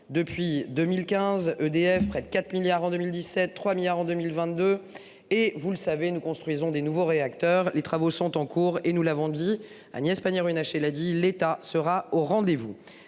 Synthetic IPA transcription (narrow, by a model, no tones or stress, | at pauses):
d̪əpɥid̪ømilkʲɛ̃zød̪eɛfpχɛd̪əkʲat̪χmiljaʁɑ̃d̪ømild̪isɛt̪ːχwamiljaʁɑ̃d̪ømilvɛ̃t̪̚d̪ø | evuləsavenukɔ̃st̪χɥizɔ̃d̪enuvoʁeakt̪œʁlet̪χavosɔ̃t̪ɑ̃kʰuʁenulavɔ̃d̪i | a̰njɛspanɛʁɥinaʃelad̪ilet̪asəʁaoʁɑ̃d̪evu